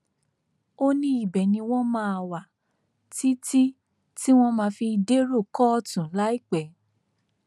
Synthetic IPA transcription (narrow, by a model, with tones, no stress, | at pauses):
o˦nĩ˦i˦˨bɛ˨nĩ˧w̃ɔ̃˦mãː˦a˧˨wa˨ | ti˦ti˦ | ti˦w̃ɔ̃˦mãː˧fi˧de˦ɾo˦˨kɔ˦˧˨tũ˨˦la˦i˦˨k͡pɛ˨